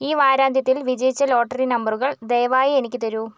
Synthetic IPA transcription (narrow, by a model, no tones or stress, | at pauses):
iːʋaːɾaːnd̪ʱjɐt̪̬ːilʋid͡ʑɐjt͡ɕːɐlo̞ːʈːɐrinɐmbɐruɣɐɭd̪ejɐʋaːjienikʲːɨt̪ɐɾu